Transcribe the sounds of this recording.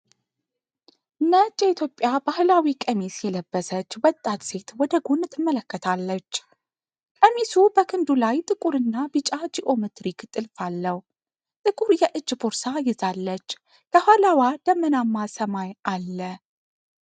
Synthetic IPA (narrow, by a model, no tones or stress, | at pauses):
ɨnːət͡ʃʼːjɛit̪ʰjo̞pʼːjabahlawikʼəmisjɛləbːəsət͡ʃːwɔt̪ʼːat̪se̞t̪wɔd̪əɡonːɨt̪ʰːɨmːələkːət̪ʰalːət͡ʃː | kʼəmisubəkʰɨnd̪ulajt̪ʼɨkʼuɾɨnːabɨt͡ʃʼad͡ʒiʔo̞mɨt̪ɾikt̪ʼɨlfalːəw | t̪ʼɨkʼuɾjɛʔɨd͡ʒːboɾsajɪzalːət͡ʃː | kʰəhalawad̪̥əmːənamːasəmajalːə